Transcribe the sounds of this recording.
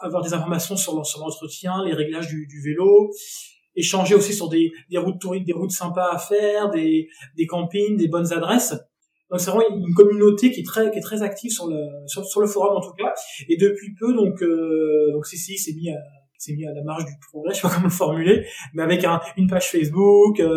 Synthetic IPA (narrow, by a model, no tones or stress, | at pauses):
avwaʁd̪ezɛ̃fɔʁmasjɔ̃syʁlɑ̃syʁlɑ̃t̪χət̪jɛ̃leʁɛɡlaʒd̪yd̪yvelo | eʃɑ̃ʒeosisyʁd̪ed̪eʁut̪ːuʁist̪̚d̪eʁut̪sɛ̃paːfɛʁd̪ed̪ekɑ̃piɲd̪ebɔnzad̪ʁɛs | d̪̥ɔ̃ksɛvʁɛmɑ̃ynk̬ɔmynot̪ekʲiɛt̪χɛkʲiɛt̪χɛzak̚t̪ʰivsyʁləsyʁsyʁləfɔʁɔmɑ̃t̪ukaed̪əpɥipød̪ɔ̃kød̪ɔ̃ksisisɛmia | sɛmialamaʁʃd̪ypχɔɡʁɛʃpakɔmɑ̃ləfɔʁmylemɛavɛkɛ̃ynpaʒ̥fɛs̬bukø